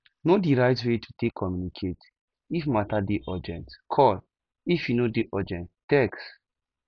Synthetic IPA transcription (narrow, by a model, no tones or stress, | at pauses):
nodiɹaɪtwetʰutekʰːɔmjunikʰet | ifmatadeʔɔd͡ʒɛ̰̃ntkʰɔl | ifjunodeʔɔd͡ʒɛ̃nttɛks